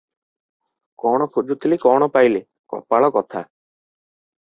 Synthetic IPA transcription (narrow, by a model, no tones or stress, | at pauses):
kɔɽ̃ɔkʰud͡ʒut̪ʰilikɔɽ̃ɔpajle | kɔ̰paɭɔkɔt̪ʰa